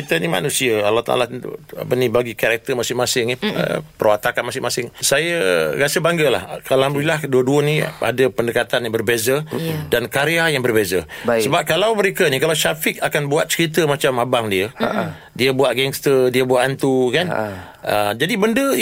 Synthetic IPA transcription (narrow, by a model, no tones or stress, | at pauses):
it̪ənima̰nũsiəalːaht̪a̰la̰a̰pənĩbaɡikaɾak̚t̪əmasɪŋmasɪŋiə̰pərwat̪akanmasɪŋmasɪŋsajəɾasəbaŋɡəla̰hkalaambɾilahduəduənia̰dəpəndəkat̪anjaŋbərbezədankaɾeajaŋbərbezəsəbap̚kalawməɾekənikalawʃafɪk̚akanbuat̪̚t͡ʃəɾit̪̬əmat͡ʃamabaŋdiə̰ | diəbuaʔɡɛŋst̪ədiəbuaʔ̪ant̪ukan | ʔəd͡ʒadibəndə